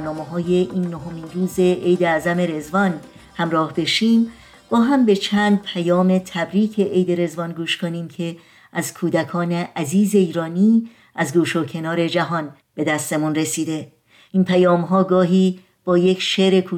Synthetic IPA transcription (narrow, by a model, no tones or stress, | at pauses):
ɾnɒːmeɦɒːje̞ʔiːnːoɦominɾuːze̞ʔejd̪eæːzæme̞ɾe̞zvɒn | hæmɾɒːhbe̞ʃiːm | b̥ɒːɦæmbe̞t͡ʃʰæːnd̪̚pʰæjɒːme̞t̪ʰæbɾiːcʰe̞ʔejd̪e̞ɾe̞zvɒnɡuːʃkʰoniːmcʰe̞ | æzkʰuːd̪ækʰɒːne̞ʔæziːze̞iːɾɒːniː | æzɡuːʃocʰe̞nɒːɾe̞d͡ʒæɦɒːn | b̥e̞d̪æst̪e̞munre̞siːd̪e̞ | ʔiːnpʰæjɒːmɦɒːɡɒːɦiː | b̥ɒːjecʃeɾe̞kʰuː